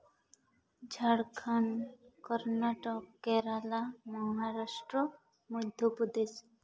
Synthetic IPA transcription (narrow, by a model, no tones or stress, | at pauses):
d͡ʒʱaɽkʰankɔɾnaʈɔkːɛɾalamɔɦaɾaʃʈɾɔ | mud̪ʱjɔpud̪es